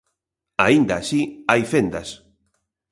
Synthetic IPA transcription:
aind̪aːʃiajfend̪as

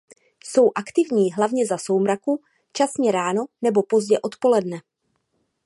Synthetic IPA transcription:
so̞wʔakt̪ɪvɲiːɦlavɲɛzaso̞wmɾaku | t͡ʃasɲɛɾaːno̞nɛbo̞po̞zɟɛʔo̞t̪po̞lɛdnɛ

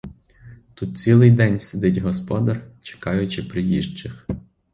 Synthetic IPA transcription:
t̪ut̪̚t͡sʲilˠɪjd̪ɛnʲsʲed̪ɪtʲɦɔspɔd̪ɐrt͡ʃe̥kɑjʊt͡ʃɪpɾɪjiʒt͡ʃɪx

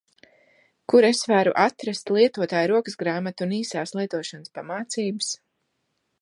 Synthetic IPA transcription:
kuɾesvæːɾṵʔat̪ɾast̪lˠiɛt̪uɔt̪aːjɾuɔkɨsɡɾaːmat̪uniːsaːslˠiɛt̪uɔʃɔnəspamaːt̪siːbɨs

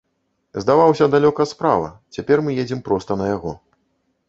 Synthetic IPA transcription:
zd̪avawsʲɐd̪alʲɔkɐspɾa̰vɐ̰t͡sʲapʲɛrmɨjed͡zʲimpɾɔst̪ɐnɐjaɣɔ

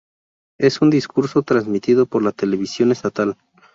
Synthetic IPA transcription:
e̞sund̪iskuɾso̞t̪ɾanzmit̪iðo̞po̞ɾlat̪e̞leβ̞isjo̞ne̞st̪at̪al

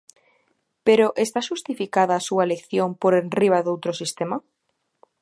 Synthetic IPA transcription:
peɾoʔest̪aʃust̪ifikaðaːsuaelekθjompoɾenriβ̞aðowt̪ɾosist̪ema

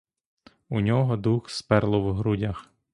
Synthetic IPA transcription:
unʲɔɦɔd̪uxspɛrlˠɔwɦɾudʲax

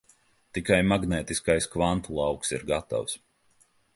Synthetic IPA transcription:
t̪ikajmaɡnɛːt̪iskajskvant̪ulˠɑwksḭɾɡat̪a̰ws

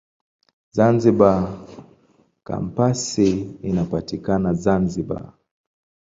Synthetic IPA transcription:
zanziɓa | ka̰m̩pasiinapatikanazanziɓa̰

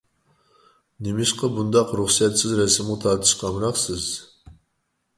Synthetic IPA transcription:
nɪmɪʃqɑbund̪ɑqɾuχsɛt̪sɪzɾɛsɪmt̪ʰɑɾt̪ʰɨ̥ʃqʰɑmɾɑqsɨz

